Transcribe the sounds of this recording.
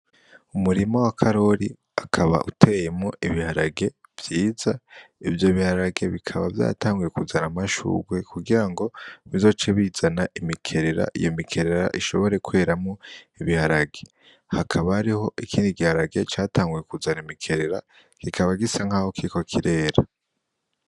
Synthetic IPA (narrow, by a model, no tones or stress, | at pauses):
umuɾimo̞wakʰaɾo̞ɾi | akʰaβa̰ʔutʰe̞je̞mŋo̞ʔiβihaɾaɡe̞ | v̥jiːzaivjo̞βihaɾaɡe̞βikʰaβavja̰ːtaːŋɡuje̞kuzanamaʃṵːɡwekʰuɡiɾaŋɡo̞βizo̞ːt͡ʃeβiz̥anaimikʰe̞ɾe̞ɾa̰ʔḭjo̞mikʰe̞ɾe̞ɾa̰ʔiʃo̞βo̞ɾe̞kue̞ːɾamŋo̞iβihaɾaɡe̞ | hakʰaβaːɾiho̞ʔikʰiːndiɡihaɾaɡe̞t͡ʃaːtaːŋɡuje̞kuzanimikʰe̞ɾe̞ɾa̰ | ɡ̥ikʰaβaɡisaŋhaːhokiko̞kʰiɾe̞ːɾa